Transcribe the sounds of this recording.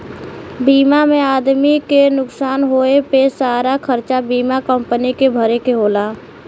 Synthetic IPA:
biːmamẽaːd̪mikenʊksaːnɦoːepesaːɾakʰəɾt͡ʃabiːmakəmpənikebʱəɾekeɦoːlaː

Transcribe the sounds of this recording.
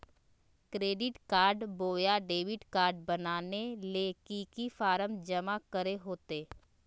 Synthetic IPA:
kɾeːɖɪʈkaːɾɖboːjaɖeːʋɪʈkaːɾɖbɐnaːnelekiːkifaːɾəmd͡ʒɐmakəɾeɦoːt̪eː

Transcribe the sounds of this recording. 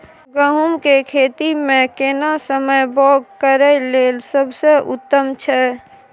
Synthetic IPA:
ɡəɦumkekʰet̪imẽkenasəməjbɔɡkəɾəlelsəbʱsəʔut̪ːəmt͡ʃʰɛ

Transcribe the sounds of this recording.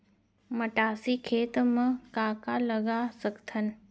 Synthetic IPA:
məʈaːsikʰeːt̪mə̃kaːkaləɡasəkt̪ʰən

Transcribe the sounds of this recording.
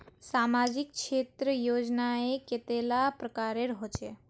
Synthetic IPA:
samad͡ʒik̚t͡ʃʰet̪ɾəjod͡ʒnaeket̪elapɾəkaɾeɾɦot͡ʃʰe

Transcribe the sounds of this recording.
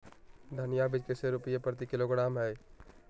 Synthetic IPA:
d̪ʱənɪjabɪd͡ʒkeseɾʊpɪjepɾət̪ikɪloɡɽaːmɦɛː

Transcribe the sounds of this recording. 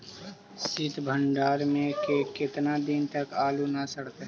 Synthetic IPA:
sɪt̪bʱə̃ɳɖaːɾmẽkekɪt̪nad̪ɪnt̪əkaːlunasəɽt̪eɦ

